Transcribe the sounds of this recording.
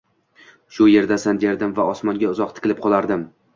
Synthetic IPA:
ʃʊje̞ɾd̪asand̪eɾd̪ɪmvaɒsmɒnɡʲaʊzɒq̚t̪ʰɪ̥kʲlɪp̚qʰɒlˠaɾd̪ɪm

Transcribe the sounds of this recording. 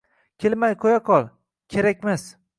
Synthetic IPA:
kʲʰelmajqʰojaqʰɒlˠ | kʲʰeɾakʲmas

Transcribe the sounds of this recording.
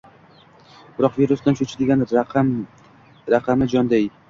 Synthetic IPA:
b̥ɪɾɒqviɾʊsd̪ant͡ʃʰot͡ʃʰɪd̪ɪɡʲan | ɾaqʰɑmɪd͡ʒɒnd̪aj

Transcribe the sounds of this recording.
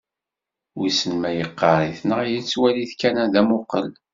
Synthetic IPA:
wisənmæjəqːɑɾˤiθnəʁjit͡sːwæliθkænæðæmʊqːəl

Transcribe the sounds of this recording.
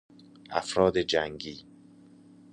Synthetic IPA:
ʔæ̰fɾɒːd̪ed͡ʒæŋɡiː

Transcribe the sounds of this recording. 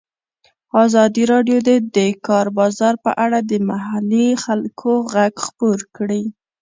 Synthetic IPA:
ɑzɑd̪iɾɑɖjod̪ed̪əkɑɾbɑzɑɾpə̰ʔaɽad̪əmaɦalixalkʰoɣaɡxpoɾkɽi

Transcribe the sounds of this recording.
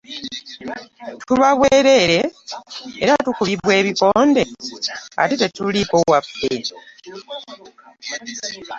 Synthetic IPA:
tʰuβaβweːɾe̞ɾe̞ː | ɾatukuβiβwe̞ːβiko̞ːnde̞ | a̰tite̞tuliko̞wafːe

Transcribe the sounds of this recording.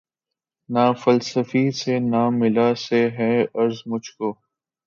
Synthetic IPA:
naːfəlsəfisenaːmɪlaseɦɛɐɾzmʊd͡ʒʱkoː

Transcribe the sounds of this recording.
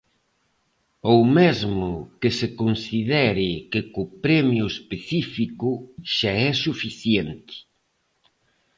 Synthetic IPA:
owmɛzmʊkɪsɪkonsiðɛɾɪkɪkʊpɾɛmjʊespeθifikʊʃaɛsufiθjɛnt̪ɪ̥

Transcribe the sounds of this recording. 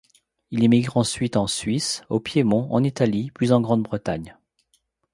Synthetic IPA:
ilemiɡʁɑ̃sɥit̪ɑ̃sɥisopjemɔ̃ɑ̰̃nit̪aliplyzɑ̃ɡʁɑ̃d̪bʁət̪aɲ

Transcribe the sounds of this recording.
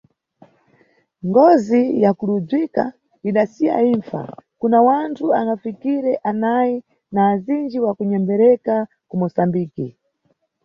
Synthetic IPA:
ŋɡɔzijakulud͡zwika | iɗasija̰iɱfa̰kunawantʰuaŋɡafikiɾɛʔanaji | naːzind͡ʒiwakuɲɛmbɛɾɛka | kumɔsambiːki

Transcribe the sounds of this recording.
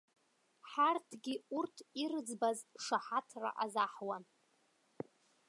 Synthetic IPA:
ħartʰɡʲiurtʰirɨd͡zbazʂaħatʰra̰ʔazaħwa

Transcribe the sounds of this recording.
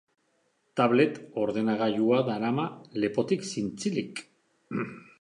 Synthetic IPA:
t̪aβle̞t̪o̞ɾðe̞naɣajuaðaɾamale̞po̞t̪iksint͡silik

